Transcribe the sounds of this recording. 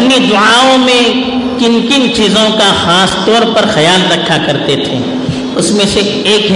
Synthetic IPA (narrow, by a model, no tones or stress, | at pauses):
nid̪ʊaːõmẽ | kɪnkɪnt͡ʃiːzõkaxaːst̪ɔːɾpɐɾxɐjaːlɾɐkʰakɐɾt̪et̪ʰḛ̃ː | ʊsmẽse | eːkɦ